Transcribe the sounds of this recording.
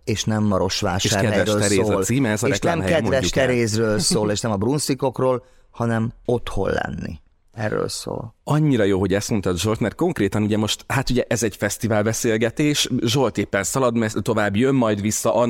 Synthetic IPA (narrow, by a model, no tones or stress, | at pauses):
eːʃnɛmːɒɾo̞ʃʋa̰ːʃʃaːkɛd̪vɛøɾeːozɒːlsiːmɛɛzɒɾɛklaɛmɛkɛdmovɛʃukɛɾeːz̬røːlsoːleːʃnɛmɒbrunsiko̞kroːl | hɒnɛmo̞t̪ho̞̰lːɛ̰nːḭ | ɛ̰rːø̰ːlso̰ːlɒɲːiɾɒjoːɦo̞ɟɛst̪mont̪ɒt̪ʒo̞lt̪mɛrt̪̚ko̞ŋkreːt̪ɒnuɟɛmo̞ʃt̪hat̪uɟɛʔɛzɛɟfɛst̪ivaːlbɛseːlɡɛt̪eːʃʒo̞lt̪eːpːɛnsɒlɒd̪mɛt̪o̞vaːbːjø̞mːɒjd̪ʋisːɒʔɒ